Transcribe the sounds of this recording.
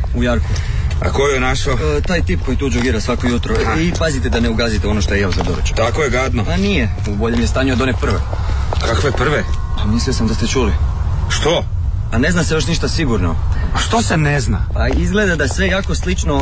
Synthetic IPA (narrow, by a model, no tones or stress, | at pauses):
ujaɾku | a̰kojonaʃot̪aːjt̪iːp̚ko̞jit̪uːd͡ʒoɡiːɾasʋakojut̪ɾoipazit̪e̞d̪aneuɡazit̪eo̞noʃt̪o̞jejaozad̪oɾot͡ʃo̥t̪akojeɡad̪nopanije | uboʎemjest̪aːɲuod̪o̞nepr̩ʋḛ | kakʋepr̩ʋe | amislijosamd̪ast̪et͡ʃuli | ʃt̪o | ane̞znasejoʃniʃt̪asiɡuɾnoaʃt̪osenezna̰paizɡle̞d̪ad̪asʋe̞jaːko̞slit͡ʃno